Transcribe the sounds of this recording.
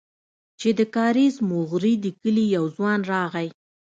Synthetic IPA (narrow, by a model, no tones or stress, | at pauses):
t͡ʃed̪əkɑɾizmʊɣɾid̪əkəlijawzwɑnɾɑɣaj